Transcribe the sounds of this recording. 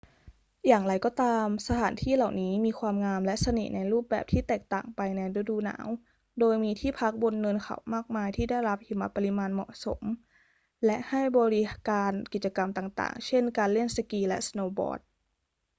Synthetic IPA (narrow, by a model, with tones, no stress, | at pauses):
jaː˨˩ŋɾa˧jkɔː˧˩t̪aː˧msa˧t̪ʰaː˩˦nt̪ʰiː˥˩la˨˩wniː˦˥miː˧kʰwaː˧mŋaː˧mlɛ˦˥ʔsa˧nḭ˨˩na˧jɾuː˥˩p̚bɛ̰ː˨˩p̚t̪ʰiː˥˩t̪ɛː˨˩k̚t̪a̰ː˨˩ŋpa˧jnɛ˧ɾe˧duː˧na̰ː˩˦w | doː˧jmiː˧t̪ʰiː˥˩pʰa˦˥k̚bo˧nːɤ˧nkʰa̰˨˩wmaː˥˩k̚maː˧jt̪ʰiː˥˩da˥˩jɾa˦˥p̚hi˧˩ma˦˥pːa˧li˧˥maː˧nmɔ̰˨˩ʔso̰˩˦m | lɛ˦˥ʔha˥˩jbɔː˧ɾi˦kaː˧nki˨˩t̪̚t͡ɕa˧ka˧mt̪aː˨˩ŋt̪a̰ː˨˩ŋt͡ɕʰe˥˩nkaː˧nle˥˩nsa˧kiː˧lɛ̰˦˥ʔsnoː˧bɔ̰ː˧˥t̚